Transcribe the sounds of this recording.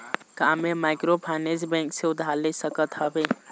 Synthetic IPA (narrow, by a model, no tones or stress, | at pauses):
kaːmemaːɪkɾoːpʰaːnezbẽːŋkseʊd̪ʱaːlesəkət̪ɦabeː